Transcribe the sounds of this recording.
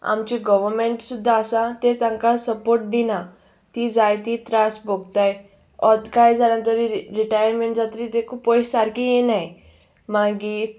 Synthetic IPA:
a̰mt͡ɕiɡɔʋəɾmeɳʈsud̪ʱːaːsãt̪et̪ãŋkasəpoɾʈ̚d̪ina | t̪id͡zajt̪it̪ɾasbʱoɡt̪aj | ɔt̪kajd͡zaɽãt̪əɾiɾiʈajəɾmeɳʈd͡zat̪ɾit̪ekʰupːɔjsaɾkijenaj | maɡi

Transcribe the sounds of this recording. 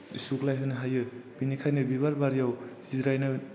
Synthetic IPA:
suklajɦɯnɯɦajɯbinikʰajnɯbiβaɾbaɾijawsiɾajnɯ

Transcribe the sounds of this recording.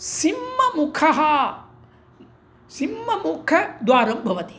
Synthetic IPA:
simːɐmukʰɐɦɐ | simːɐmukʰɐd̪waːɾɐmbʱɐʋɐt̪i̥

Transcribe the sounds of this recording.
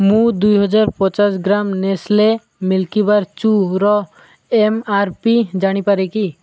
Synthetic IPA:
mũd̪ujɦɔd͡ʒaɾpɔ̃t͡ʃasɡɾamnesle | milkibaɾt͡ʃuɾɔ | emaɾpid͡ʒaɽ̃ipaɾɛki

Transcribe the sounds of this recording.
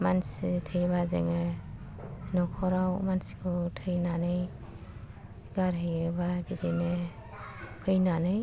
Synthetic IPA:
mansitʰɯjβazḛŋɯ | nɔkʰɔɾawmansi̥kʰɯtʰɯjnanɯj | ɡaɾɦɯjɯbabidenɯ | pʰɯjnanɯj

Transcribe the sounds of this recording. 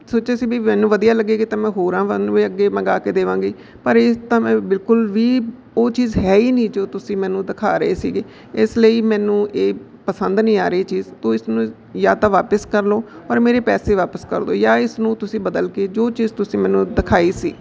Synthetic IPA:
soːt͡ʃeːsiːbiːmɛːnũːʋəd̪ijaːləɡːeːɡiːt̪ãːmɛ̃ːɦoːɾãːʋəiːəɡːeːmə̃ɡaːkeːd̪eːʋãːɡeː | pəɾɪt̪ãːmɛ̃ːbɪlkʊlʋiː | oːt͡ʃiːzɦɛːiːnĩːd͡ʒoːt̪ʊsĩːmɛːnũːd̪ɪkʰaːɾəeːsiːɡeː | ɪsləiːmɛ̃ːnũːʔeː | pəsənd̪nĩːaːɾeiːt͡ʃiːzt̪õːɪsnũː | jaːt̪ãːʋaːpəskəɾloːəɾmeːɾeːpɛːseːʋaːpəskə̰ɾd̪o̰ːjaːɪsnũːt̪ʊsĩːbəd̪əlkeːd͡ʒoːt͡ʃiːzt̪ʊsĩːmɛ̃ːnũːd̪ɪkʰaːiːsḭː

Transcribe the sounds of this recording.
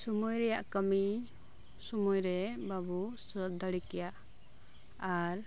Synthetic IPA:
sumujɾɛjaʔkəmi | sumujɾɛbabusət̪̚d̪əɽikɛjaʔ | aɾ

